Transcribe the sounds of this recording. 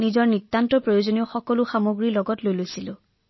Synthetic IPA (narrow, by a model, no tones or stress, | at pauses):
nizɔɹnitːantɔpɹɔjozoniɔxɔkɔlʊxamoɡɹilɔɡɔtlojlojsilʊ̃